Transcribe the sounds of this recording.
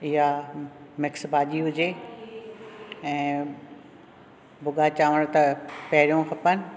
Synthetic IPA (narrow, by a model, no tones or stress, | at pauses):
ɪɦamɪksbʱaːʄiɦʊd͡ʑe | ɛ̃ː | bʊɠat͡ɕaːʋəɽ̃t̪ɐpɐɦɪɾijõkʰɐpənɪ̆